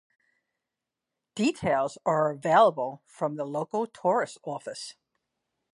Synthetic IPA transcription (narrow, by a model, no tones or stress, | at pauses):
d̥itʰeɪlˠzə˞əveɪlˠəbəl̩ˠfɹʌ̃mðəloʊkl̩ˠtʰɔɹɨstɔfɨs